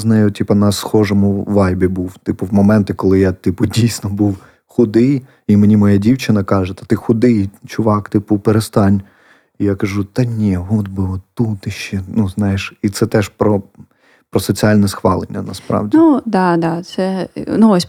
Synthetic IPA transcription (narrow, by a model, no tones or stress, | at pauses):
znɛjʊtʲipɐnɐsxɔʒɔmʊʋɑjbʲibuwt̪ɪpʊwmɔmɛnt̪ɪkɔlˠɪjat̪ipʊdʲijsʲnɔbuw | xʊd̪ɪj | imenʲimɔjadʲiwt͡ʃɪnɐkɑʒet̪ɐ̥t̪ɪxʊd̪ɪjt͡ʃʊʋɑkt̪ɪpʊpeɾest̪ɑnʲ | ijakɐʒut̪ɐnʲiɔd̪bɪɔt̪ːut̪ɪʃt͡ʃɛnuznɑjɪʃit̪sɛt̪ɛʃpɾɔ | pɾɔsɔt͡sʲiɑlʲnɛsxʋɑlˠenʲːɐnɐspɾɑ̰wdʲinud̪ɑd̪ɑt̪sɛnuɔsʲ